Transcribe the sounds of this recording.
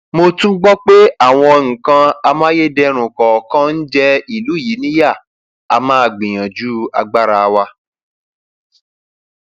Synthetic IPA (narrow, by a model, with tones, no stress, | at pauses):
mo˧tũ˦ɡ͡bɔ˦k͡pe˦a˦˨w̃ɔ̃˧ŋ̩˨kã˧a˧mãː˦je˦dɛ˧ɾ̃ũ˨kɔ˨kã˦n̩˦d͡ʒɛ˦i˨lu˨˦˨ji˨˦nĩ˦ja˦˨ | a˧mãː˦a˧˨ɡ͡bĩ˨j̃ã˨d͡ʒu˦a̰˧ɡ͡ba˦ɾa˧wa˧